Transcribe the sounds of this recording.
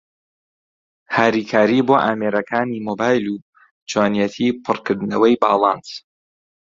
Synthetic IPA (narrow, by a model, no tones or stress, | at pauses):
haːɾiːkʰaːɾiboːʔaːmeɾɐkʰaːniːmoːbaːjlu | t͡ʃwaːnjɛt̪ʰipʰɨrkɨɾd̪ɨnɐwɐjbaːlˠɑns